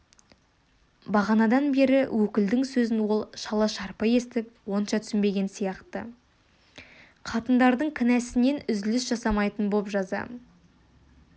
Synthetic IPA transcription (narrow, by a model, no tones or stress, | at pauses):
bɑʁɑnɑd̪ɑnbe̞ɾɪwʔɵkʲɪld̪ɪŋsɵzɪnwo̞lˠʃɑlˠɑʃɑɾpəje̞st̪ɪp̚wo̞nʃɑt̪ʰʏ̥sɪnbe̞ɡʲe̞nsijɑqt̪ə̰ | qʰɑt̪ənd̪ɑɾd̪əɴkʲʰɪnæsɪne̞nʏzd̪ɪlɪsʒɑsɑmɑjt̪ənbopʒɑzɑ̰